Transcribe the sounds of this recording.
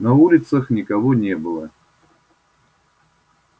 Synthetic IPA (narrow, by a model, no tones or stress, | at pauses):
nɐulʲɪt̪səxnʲɪkɐvonʲebɨlˠə